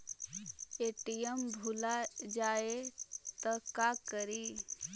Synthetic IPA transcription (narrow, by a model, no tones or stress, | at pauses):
eʈijembʱulad͡ʒaːet̪əkakəɾiː